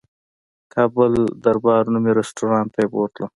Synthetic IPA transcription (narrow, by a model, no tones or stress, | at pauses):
kʰɑbəld̪aɾbɑɾnumeɾɪsʈoɾɑːnt̪ajpo̰t̪lo